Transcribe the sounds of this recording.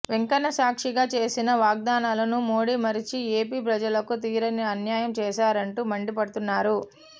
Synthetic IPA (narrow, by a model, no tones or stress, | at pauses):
ʋeŋkɐnːɐsaːkʂiɡaːt͡ʃe̞ːsinɐʋaːɡ̚d̪aːnaːlɐnumo̞ːɽiːmɐɾit͡ʃieːpiːpɾɐd͡ʒɐlɐkut̪iːɾɐniɐnjaːjɐmt͡ʃɛːʃaːɾɐɳʈuːmɐɳɖipɐɽut̪unːaːɾu